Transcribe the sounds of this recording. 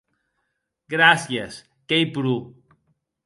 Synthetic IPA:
ɡɾasjes | kejpɾu

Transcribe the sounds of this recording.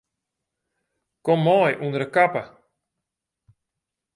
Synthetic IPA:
kɔmːɔjʔunəɾəkapə

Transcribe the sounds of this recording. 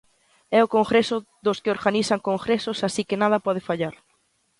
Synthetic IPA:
ɛokoŋɡɾesʊ | ðoskɪoɾɣanisaŋkoŋɡɾesosasikɪnað̞ɐpɔð̞ɪfaʎaɾ

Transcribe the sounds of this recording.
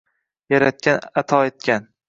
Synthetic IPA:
jaɾat̪̚kʲanat̪ʰɒet̪̚kʲʰan

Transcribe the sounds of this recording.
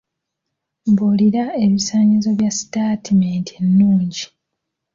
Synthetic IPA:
mboliɾae̞βisaːɲizo̞βjasi̥taːtimeːntʰe̞nːuːɲɟi

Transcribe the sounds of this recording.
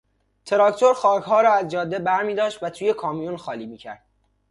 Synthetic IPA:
t̪ʰe̞ɾɒkt̪ʰoɾxɒːkʰɦɒːɾɒːæzd͡ʒɒːd̪ːebæɾmiːd̪ɒːʃt̪væt̪ʰuːje̞kʰɒːmijunxɒːliːmiːcʰæ̰ɾd̪̥

